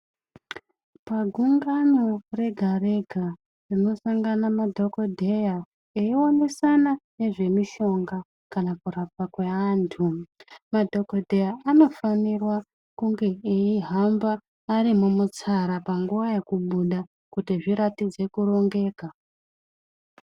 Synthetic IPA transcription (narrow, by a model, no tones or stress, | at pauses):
paɡʱuŋɡanore̞ɡʱare̞ɡʱa | rino̞saŋɡanamadʱo̞kodʱe̞ja | eio̞ne̞sanane̞ʐe̞miʃo̞ŋɡa | kanakuɾapwakwe̞aːntʰumadʱo̞kodʱe̞jaano̞fanirwa | kuŋɡe̞eiɦambaː | ɾimumut͡saɾapaŋɡuʋaje̞kuɓuɗa | kutiʐiɾatid͡ze̞kuɾo̞ŋɡe̞ːka